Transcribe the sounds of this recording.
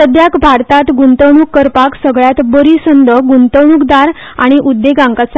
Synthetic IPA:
əd̪jakbʱaɾt̪at̪ɡunt̪əwɳukːəɾpaksəɡɭjat̪bəɾisənd̪əɡunt̪əwɳuːkd̪aɾ | a̰ɽ̃iʔud̪ːeɡãŋkat͡s

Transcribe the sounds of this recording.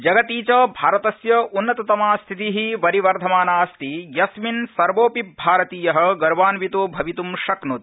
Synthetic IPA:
d͡ʒɐɡɐt̪iːt͡ʃɐbʱaːɾɐt̪ɐsjɐunːɐt̪ɐt̪ɐmaːst̪ʰit̪iɦiʋɐɾiʋɐɾd̪ʱɐmaːnaːst̪ijɐsminsɐɾʋoːpip̚bʱaːɾɐt̪iːjɐɦɐ̆ɡɐɾʋaːnʋit̪oːbʱɐʋit̪umʃɐknut̪̚

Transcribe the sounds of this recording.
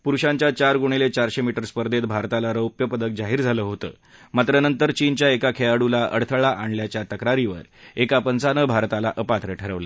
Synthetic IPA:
puɾuɕãɲt͡ɕjat͡ɕaɾɡuɳ̃elet͡ɕaɾɕemiʈəɾspəɾd̪ʱet̪bʱaɾt̪alaɾəwpjəpəd̪ək̚d͡zaɦiːɾd͡zʱaləːɦot̪ə̰ː | mat̪ɾənənt̪əɾt͡ɕiːnt͡ɕjaekakʰejaɽulaʔə̰ɽt̪ʰəɭaʔaɳljat͡ɕjat̪əkɾaɾiʋə̰ɾekapənt͡sanəbʱaɾt̪alaʔəpat̪ɾeʈʰəɾəʋlə̰

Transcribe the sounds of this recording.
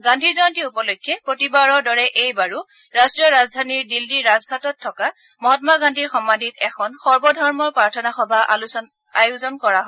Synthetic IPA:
ɡãndʱizɔɔntiupɔlojkʰːjɛpɹotibaɹɔɹdɔɹɛʔejbaɹu | ɹastɹijɔɹazdʱaniɹdildiɹazɡʱatɔtʰːɔka | mɔɦɔtmaɡandʱiɹxɔmːadʱitɛxʰɔnxɔɹbɔdʱɔɹmɔɹpɹaɹtʰɔnaxɔbʱaluɔ | ajuzɔnkɔɹaɦɔ

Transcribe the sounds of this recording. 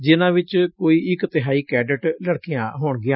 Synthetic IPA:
d͡ʒɪnãːʋɪt͡ʃkoːiːɪkt̪ɪɦaːiːkɛːɖɪʈləɽkijãːɦoːɳɡɪjãː

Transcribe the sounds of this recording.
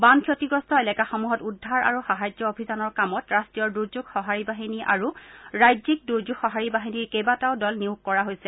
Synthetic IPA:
bankʰjotiɡɹɔstʰɔelɛkaxɔmuɦɔtudʱːaɹʔa̰ɹuxaɦajd͡ʒjɔobʱizanɔɹkamɔtɹastɹijɔɹduɹzuɡxɔɦaɹibaɦiniʔa̰ɹuɹajzik̚duɹd͡ʒuɡxɔɦaɹibaɦiniɹkejbataʊdɔlniukːɔɹaɦojsɛ

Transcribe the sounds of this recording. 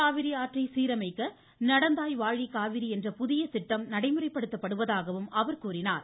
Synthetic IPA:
aːʋɪɾijaːʈrɐɪsiːɾɐmɐɪkːɐ | nɐɽɐnd̪aːjʋaːɻɽikaːʋɪɾiɛndrɐpʊðɪjɐsɪʈːɐmnɐɽɐɪmɯrɐɪpːɐɽɯt̪ːɐpːɐɽɯʋɐðaːɣɐʋɯmɐʋɐɾkuːrɪnaːɾ

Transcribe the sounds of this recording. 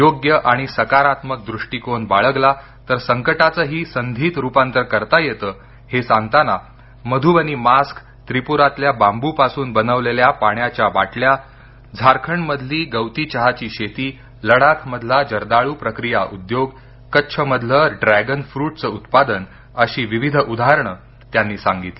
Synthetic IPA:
joɡjəʔaɽ̃isəkaɾat̪mək̚d̪ɾuʂʈiːkonbaɭəɡla | t̪əɾsəŋkəʈat͡səːɦiːsənd̪ʱiːt̪ɾupãnt̪əɾkəɾt̪ajet̪əː | hesãŋɡt̪ana | məd̪ʱuːʋəniːmask | t̪ɾipuɾat̪ljabambupasuːnbənəʋleljapaɳjat͡ɕjaʋaʈlja | d͡zʱaɾkʰəɳməd̪ʱliːɡəwt̪iːt͡ɕəɦat͡ɕiːɕet̪iː | ləɽak̪ʰməd̪ʱlad͡ʑəɾd̪aɭuːpɾəkɾijaʔud̪joɡ | kətːɕʰəməd̪ʱləɖɾæɡənfɾuːʈ̚t͡səːut̪pad̪ən | əɕiːʋiʋid̪ʱud̪ʱaɾɳə | t̪janːiːsãŋɡit̪li

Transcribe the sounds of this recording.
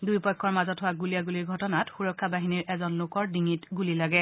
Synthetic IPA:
dujpɔkʰːɔɹmazɔtɦowaɡulijaɡuliɹɡʱɔtɔnatxuɹɔkʰːabaɦiniɹɛzɔnlʊkɔɹdiŋitɡulilaɡɛ

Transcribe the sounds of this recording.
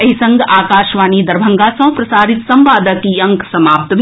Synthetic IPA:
ɐɦisɐ̃ŋɡʱaːkaːʃʋaːnid̪ɐɾbʱɐ̃ŋɡasɐ̃ɦpɾɐsaːɾit̪sɐ̃mʋaːd̪əkiɐ̃ŋksɐmaːp̚t̪bʱ

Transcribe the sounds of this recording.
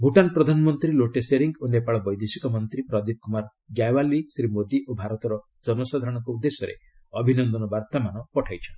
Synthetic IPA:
bʱuʈanpɾɔd̪ʱanɔmɔnt̪ɾiloʈeseɾiŋɡonepaɭɔbɔjd̪esikɔmɔnt̪ɾipɾɔd̪ip̚kumaɾ | ɡjajwalisɾimod̪iʔobʱaɾɔt̪ɔɾɔ | d͡ʒɔnɔsad̪ʱaɾɔ̃ɽ̃ɔŋkɔud̪ːesɔɾḛ | ɔbʱinɔnd̪ɔnɔbaɾt̪amanɔpɔʈʰajt͡ʃʰɔn

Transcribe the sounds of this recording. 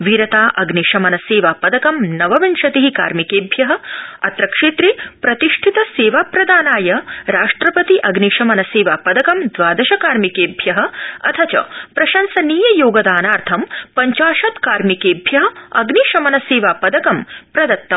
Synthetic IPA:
ʋiɾɐt̪aːʔɐɡniʂɐmɐnɐseːʋaːpɐd̪ɐkɐmnɐʋɐʋɐnʂɐt̪iɦika̰ːɾmikeːbʱjɐɦɐ̆ɐt̪ɾɐkʂeːt̪ɾipɾɐt̪iʂʈʰit̪ɐseːʋaːpɾɐd̪aːnaːjɐɾaːʂʈɾɐpɐt̪iʔɐɡniʂɐmɐnɐseːʋaːpɐd̪ɐkɐmd̪ʋaːd̪ɐʃɐkaːɾmikeːbʱjɐɦɐ̆ɐ̰t̪ʰɐt͡ʃɐ̰pɾɐʃɐnsɐniːjɐjoːɡɐd̪aːnaːɾt̪ʰɐmpɐɲt͡ʃaːʃɐt̪kaːɾmikeːbʱjɐɦɐɐɡniːʂɐmɐnɐseːʋaːpɐd̪ɐkɐmpɾɐd̪ɐt̪ːɐm

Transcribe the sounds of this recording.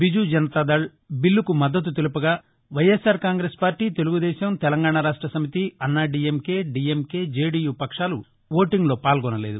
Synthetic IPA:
bid͡ʒud͡ʒɐnɐt̪ad̪ɐɭ | bilːukumɐd̪ːɐt̪̬ut̪̬elupɐɡaː | ʋɐjesaːɾkaːŋɡɾeːspaːɾʈiːt̪e̞luɡud̪ɛːʃɐmt̪ɛlɐŋɡaːɳaɾaːʂʈɾɐsɐmit̪iɐnːaɖiːemke̞ːɖiːemke̞ːd͡ʒeːɖiːjuːpɐkʂaːlu | ʋoːʈiŋɡlo̞ːpaːlɡɔnɐle̞ːd̪u

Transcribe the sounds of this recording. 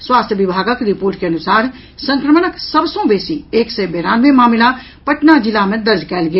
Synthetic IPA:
swaːst̪ʰjəʋɪbʱaːɡəkɾɪpoːɾʈkeɐnʊsaːɾ | sə̃ŋkɾəmnəksəbsõbeːsieːksebeːɾaːnʋemaːmla | pəʈnad͡ʒɪlamẽd̪əɾd͡ʒkɛːlɡeː

